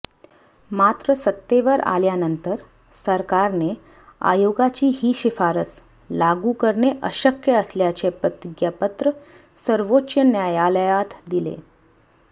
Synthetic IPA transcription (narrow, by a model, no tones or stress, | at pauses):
mat̪ɾəsət̪ːeʋəɾa̰ljanənt̪əɾ | səɾkaɾne | a̰joɡat͡ɕiːɦiːɕifaɾəs | laɡukəɾɳeʔəɕəkjəəsljat͡ɕepɾət̪iɡjapət̪ɾə | səɾʋotːɕjənjajaləjat̪d̪ilḛ